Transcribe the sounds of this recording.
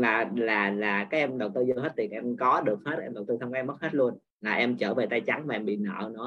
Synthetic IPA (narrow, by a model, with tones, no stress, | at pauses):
laː˨˩laː˨˩laː˨˩kaː˨˦jʔɛ˧mɗə˨˩w̚t̪ɨ˧zə˧hɦe˦˥t̚t̪i˨˩ənʔɛ˧mkɔ˨˦ɗɨ˨˩ək̚he˦˥t̚ʔɛ˧mɗə˨˩w̚t̪ɨ˧t̪ʰwkːɛ˧mə˦˥he˦˥t̚lu˧ən | laː˨˩ʔɛ˧mt͡ɕəː˧˩ve˨˩t̪aː˧jt͡ɕa˨˦ŋmaː˨˩ɛ˧mɓḭ˧˨nə̰ː˧˨nɔ˨˦